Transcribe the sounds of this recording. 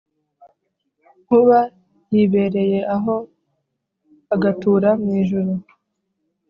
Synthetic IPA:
kuβa | jiβe̞ɾe̞je̞ʔaɦo̞ | aɡatuːɾamŋiːʒuɾu

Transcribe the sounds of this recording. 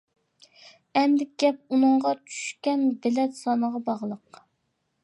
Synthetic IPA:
ɛnd̪ɪkʲɡʲɛp̚unɨŋʁɑt͡ʃʰy̥ʃkʲɛnbɪlɛt̪sɑnəʁɑbɑʁlˠəq

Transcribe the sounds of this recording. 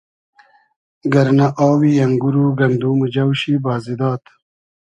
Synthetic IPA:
ɡɐɾnaʔaːwijɐŋɡuɾuːɡɐnd̪uːmud͡ʒɐwɕibaːzid̪aːt̪

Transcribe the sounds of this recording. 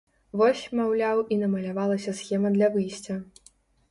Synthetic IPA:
vɔsʲmawlʲawinɐmɐlʲavalˠɐsʲɐsxʲɛmɐd̪lʲɐvɨjsʲt͡sʲɐ

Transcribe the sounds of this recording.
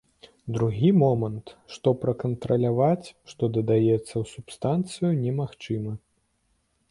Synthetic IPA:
d̪ɾuɣʲimɔmɐnt̪ʂt̪ɔpɾɐkɐnt̪ɾɐlʲavat͡sʲʂt̪ɔd̪ɐd̪ajɛt̪sːɐwsupst̪ant̪sɨjunʲɛmaxt͡ʂɨmɐ

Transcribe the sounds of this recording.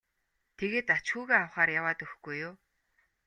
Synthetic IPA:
t̪ʰeɣeːt̪at͡ɕxuːɣeːawχaːrjawaːt̪ɵxɡ̥ujːʊː

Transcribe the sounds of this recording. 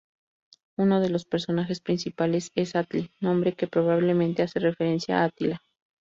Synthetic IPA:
uno̞ð̞e̞lo̞spe̞ɾso̞naxe̞spɾinsipale̞se̞sat̪linõ̞mbɾe̞ke̞pɾo̞βaβle̞mẽnt̪e̞ase̞re̞fe̞ɾe̞nsja̰at̪ila

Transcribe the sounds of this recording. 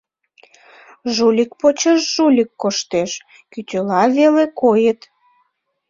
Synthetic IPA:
ʒulʲik̚pot͡ɕəʃʒulʲikːoʃt̪eʃ | kyt̪ʲølɑvelekojət̪

